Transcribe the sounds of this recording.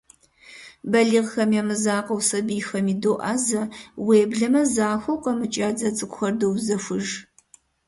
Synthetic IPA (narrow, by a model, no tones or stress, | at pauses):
bɐɮiːʁxɐmjamɨzaːqɐwsɐbiːxɐmiːdoːʔaːzɐweːbɮɐmɐzaːxʷowqʼɐmɨt͡ʃʼaːd͡zɐt͡sʼɨkʷʼxɐrdowzɐxʷʊʒ